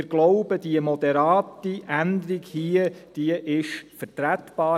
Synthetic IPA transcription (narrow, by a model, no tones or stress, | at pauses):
ɡ̥lɔʊb̥əd̥iəmɔd̪ɛɾɑːtiʔænd̪əɾiɡhiəd̥iəʔɪʃfəɾtɾæt̪b̥ɑː